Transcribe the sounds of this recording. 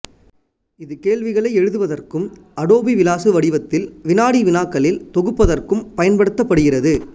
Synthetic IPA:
ɪðɯkeːlʋɪɣɐɭɐɪɛɻɯðɯʋɐðɐrkɯm | ɐɽoːbiʋɪlaːsɯʋɐɽɪʋɐt̪ːɪlʋɪnaːɽiʋɪnaːkːɐɭɪlt̪ɔɣɯpːɐðɐrkɯmpɐjɐnpɐɽɯt̪ːɐpːɐɽɯɣɪrɐðɯ

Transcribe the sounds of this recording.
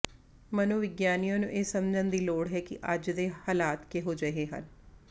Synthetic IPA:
mənõːʋɪɡjaːnijãːnṵ̃ːʔeːsəmd͡ʒənd̪iːloːɽɦɛːkɪ̰ʔəd͡ʒd̪eːhaːlaːt̪keːɦoːd͡ʒəeːɦə̰n

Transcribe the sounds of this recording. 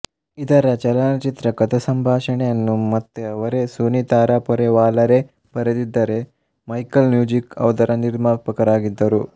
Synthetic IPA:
it̪ɐɾɐt͡ʃɐlanɐt͡ʃit̪ɾɐkɐt̪ɐsɐmbʱaːʂɐɳejɐnːumɐt̪ːeɐʋɐɾesunit̪aːɾaːpɔɾeʋaːlɐɾe | pɐɾɐd̪id̪ːɐɾe̞ | mɐjkɐlmjuːd͡ʒikɐ̰ʋd̪ɐɾɐniɾmaːpɐkɐɾaːɡid̪ːɐɾu

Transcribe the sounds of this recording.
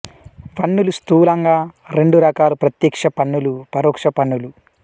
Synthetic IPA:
ʋɐɳːulust̪uːlɐŋɡaːɾe̞ɳɖuɾɐkaːlupɾɐt̪jɐkʂɐpɐɳːulupɐɾɔːkʂɐpɐnːulu

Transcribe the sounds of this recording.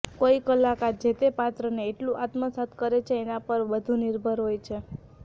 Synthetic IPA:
koikəlakad͡ʒet̪epat̪ɾəneːʈlũʔat̪məsat̪kəɾet͡ʃʰeːnapəɾʋəd̪ʱũnɪɾbʱəɾɦojt͡ʃʰe

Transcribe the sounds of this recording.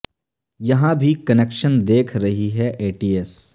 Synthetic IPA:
jɐɦãbʱikɐnekʃənd̪eːkʰɾɐɦiɦɛʔeːʈiːes

